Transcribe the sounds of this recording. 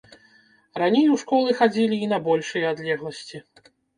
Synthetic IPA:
ranʲejwʂkɔlˠɨxad͡zʲilʲiːnɐbɔlʲʂɨjɐad̪lʲɛɣlˠɐsʲt͡sʲi

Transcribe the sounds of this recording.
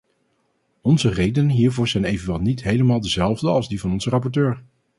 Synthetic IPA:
ɔnzərejdənənɦiːɹvʊːɹzɛjnejvənʋɛlˠnitɦejləmaːlˠdəzɛlˠvdəɑlˠzdivɑnɔnzərɑp̬ɔɹtøːɹ

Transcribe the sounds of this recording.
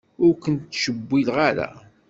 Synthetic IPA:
ʊɾkənt̪ːʃəbːilʁaɾæ̰

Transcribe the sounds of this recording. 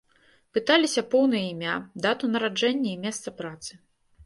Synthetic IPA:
pɨt̪alʲisʲɐpɔwnɨjɐimʲad̪at̪unɐɾad͡ʐɛnʲːɐimʲɛst̪sɐpɾat̪sɨ

